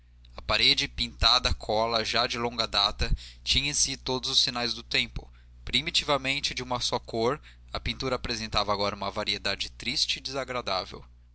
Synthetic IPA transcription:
ɐpaɾed͡ʒɪpĩnt̪ad̪ɐkʰɔlɐʒad͡ʒɪlõɡɐd̪at̪ɐt͡ʃĩɲɐ̃sit̪od̪ʊzʊsinajzd̪ʊt̪ẽmpʊ̰ | pɾimit͡ʃivɐmẽnt͡ʃɪd͡ʒɪũmɐsɔkoɾ | ɐpĩnt̪uɾɐaːpɾezẽnt̪avɐaːɡɔɾɐũmɐvaɾied̪ad͡ʒɪt̪ɾist͡ʃɪːd͡ʒɪzaɡɾad̪a̰vḛw

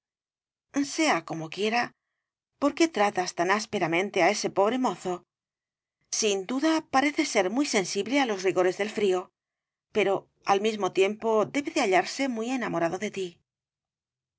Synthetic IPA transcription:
se̞ako̞mo̞kje̞ɾa | po̞ɾke̞t̪ɾat̪ast̪anaspe̞ɾamẽ̞nt̪e̞ae̞se̞po̞βɾe̞mo̞θo̞ | sind̪uðapaɾe̞θe̞se̞ɾmijse̞nsiβle̞alo̞sriɣoɾe̞zðe̞lfɾio̞ | pe̞ɾo̞ | almizmo̞t̪je̞mpo̞d̪e̞βe̞ðeaʎaɾse̞mwie̞namo̞ɾaðo̞ðe̞t̪i

